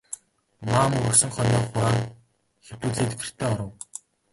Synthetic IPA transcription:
maːmɵɾɵ̆ksɵ̆ŋχɔnɔːχʊɾaːŋ | xe̥t̪uːɮeːt̪pɘ̥̆r̥t̪ʰeːɔɾə̆w

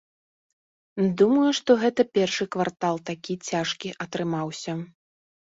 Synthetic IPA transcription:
d̪umɐjuʂt̪ɔɣɛt̪ɐpʲɛrʂɨkvart̪alˠt̪akʲit͡sʲaʂkʲiʔɐt̪ɾɨmawsʲɐ

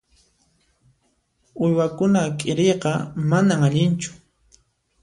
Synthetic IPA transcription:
ʊjwakʊnakʼɪɾejqɑmanamaʎɪnt͡ʃʊ̥

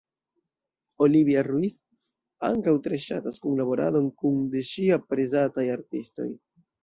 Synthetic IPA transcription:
o̞liviaruif | a̰ŋkawtɾeʃa̰taskunlabo̞ɾa̰do̞nkundeʃiapɾezatajaɾtisto̞̰j

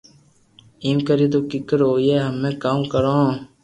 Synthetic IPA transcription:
iːmkəɾiːd̪oːkɪkəɾɦoːjeːɦəmːẽːkaːmkəɾãː

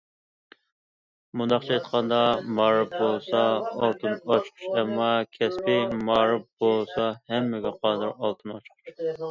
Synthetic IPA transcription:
mund̪ɑqχt͡ʃʰɑjt̪qʰɑnd̪ɑmɑːɾɨp̚bolˠsɑɑlˠt̪ʰɨnɑt͡ʃqʰʊ̥ʃɛmːɑkʲʰɛspɪmɑːɾɨp̚bolˠsɑhɛmːɪɡʲɛqʰɑːd̪ɨɾɑlˠt̪ʰɨnɑt͡ʃqʰʊ̥ʃ

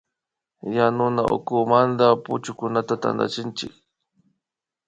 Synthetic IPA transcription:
janʊnaʊ̰kʊmand̪apʊ̰t͡ʃʊkʊnat̪at̪a̰nd̪a̰t͡ʃɪnt͡ʃɪ̰k

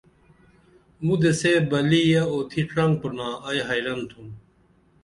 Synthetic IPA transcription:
mud̪esebɐlijɐot̪ʰiʈɾɐŋɡ̚punãːɐjɦɐjɾɐnt̪ʰum

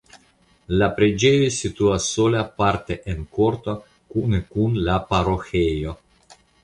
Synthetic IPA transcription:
lapɾed͡ʒejosit̪uasːolaapaɾt̪eʔenkoɾt̪o | kunekunlapaɾoxejo

